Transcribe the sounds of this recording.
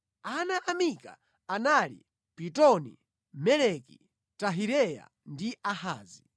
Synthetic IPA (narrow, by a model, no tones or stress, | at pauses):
anaʔamika̰ | analḭ | pitɔni | mɛlɛki | taɦiɾɛja̰ | ndiʔahaːzi